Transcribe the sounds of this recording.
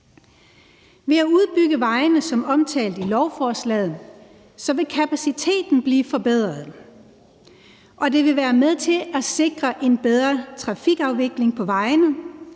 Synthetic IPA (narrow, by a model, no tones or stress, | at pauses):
ʋe̝æuð̞ˠb̥yɡ̥əʋɑ̈ɪnəsɒ̽mɒ̽mt͡sʰɛ̰ːld̥ilɒʊfɒːslɛ̰ːðˠn | sɒ̽ʋe̝kʰæpʰæsit͡sʰe̝̰ːd̥n̩b̥liːfɒ̽b̥eð̞̰ˠʁɐð̩ˠ | ʔɒ̽d̥e̝ʋe̝ʋæːɐmeðˠt͡sʰe̝læse̝ɡ̥ʁɐʔe̝nb̥eð̞ˠʁɐt͡sʰʁɑ̈fiɡ̥ɑ̈ʊʋe̝ɡ̥le̝ŋpʰɒ̽ʋɑ̈ɪnəð̩ˠ